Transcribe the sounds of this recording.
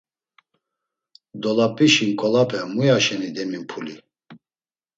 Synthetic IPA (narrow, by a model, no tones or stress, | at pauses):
d̪ɔlapʼiʃiŋkʼɔlapʰɛmujaʃɛnid̪ɛmimpʰuli